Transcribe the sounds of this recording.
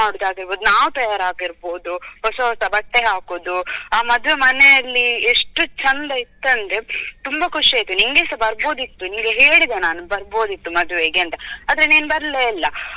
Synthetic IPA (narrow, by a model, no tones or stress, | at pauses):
aːɽd̪aːɡiɾbo̞ːd̪unaːʋut̪ɐjaːɾaːɡiɾbo̞ːd̪uɦɔsɐɦɔsɐbɐʈ̪ːeɦaːkoːd̪uaːmɐd̪ʋe̞mɐnejɐlːieʂʈut͡ʃɐnd̪ɐit̪ːɐnd̪ɾet̪umbɐkʰuʂiaːjt̪ːuniŋɡeːsɐbɐɾbo̞ːd̪it̪ːunimɡeɦeːɭid̪enaːnubɐɾbo̞ːd̪it̪ːumɐd̪uʋeɡeɐnt̪ɐaːd̪ɾeniːnbɐɾleilːɐ